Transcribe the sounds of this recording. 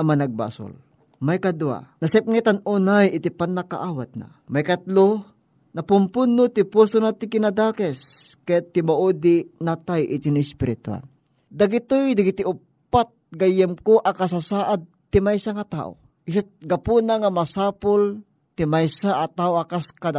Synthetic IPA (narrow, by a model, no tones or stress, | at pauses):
amanaɡ̚ba̰sʊ̰l | majkad̪ua̰nɐsɛp̚ŋɛt̪anunajɪt̪ɪpanːaka̰ʔawat̪̚na̰ | majkɐt̪lo | nɐpʊmpʊnːʊt̪ɪpusonat̪ɪkɪnad̪akɛskajat̪ːɪmaʔud̪ɪnat̪ajʔɪt̪inɪspɪɾɪt̪ua̰n | d̪aɡɪt̪ojd̪aɡɪt̪ɪʊ | ppːat̪̚ɡajɛmkoʔakasasaːʔad̪̚t̪ɪmajsaŋat̪a̰ːʔo̰ | ʔɪs̬ɪt̪̚ɡapunaŋamasaːpʊl | t̪ɪmajsaʔːt̪aʔoakaskad̪a